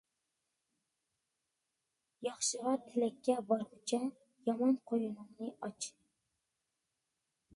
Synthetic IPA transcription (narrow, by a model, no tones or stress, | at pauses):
jɑχʃɨʁɑɾt̪ʰɪlɛkʲʰːɛbɑɾʊt͡ʃʰɛ | jɑmɑnqʰojunɨŋnɨɑt͡ʃʰ